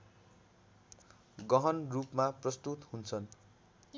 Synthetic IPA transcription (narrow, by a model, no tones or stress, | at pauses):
ɡʌɦʌnrupmaprʌst̪ut̪hunt͡sʰʌn